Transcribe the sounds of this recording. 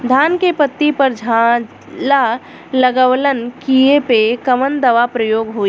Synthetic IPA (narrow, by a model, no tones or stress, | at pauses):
d̪ʱaːnkepət̪ːipəɾd͡ʒʱa | la | ləɡəʋlənkiepekəʋənd̪ɐʋapɾəjoːɡɦoːi